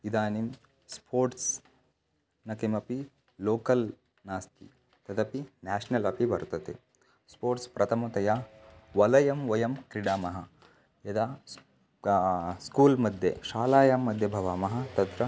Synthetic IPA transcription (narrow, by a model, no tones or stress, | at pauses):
id̪aːnim | spʰoːɾʈs | nɐkɐmɐpi | loːkɐl | naːst̪ḭ | t̪ɐd̪ɐpinaːʂnɐlɐpibɐɾt̪ɐt̪ḛ | spoːɾʈspɾʔɐt̪ʰɐmɐt̪ɐjaːʋɐlɐjɐmʋɐjɐmkɾiɽaːmɐɦɐ | jɐd̪aː | skuːlmɐd̪ʱjḛʃaːlaːjaːmːɐd̪ʱjɐbʱɐʋaːmɐɦɐ̆t̪ɐt̪ɾɐ